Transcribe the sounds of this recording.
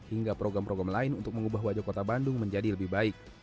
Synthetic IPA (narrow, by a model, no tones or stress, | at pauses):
hiŋɡapɾoɡɾampɾoɡɾamlaɪnunt̪ʊk̚məŋubaɦwad͡ʒakot̪abandʊŋməɲd͡ʒadiləbɪhbaɪk̚